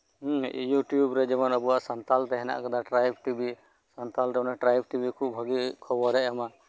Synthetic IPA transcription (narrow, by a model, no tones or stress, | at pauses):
juʈjubɾɛd͡ʒɛmanəbuaʔsant̪alt̪ɛɦɛna̰ʔkad̪aʈɾajb̚ʈibi | sɔnt̪alɾɛmɔnaʈɾajb̚ʈibikʰub̚bʱəɡikʰɔbɔɾɛʔjama